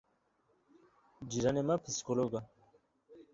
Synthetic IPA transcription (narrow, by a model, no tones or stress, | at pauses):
d͡ʑiɾanemapʰiskoloɡa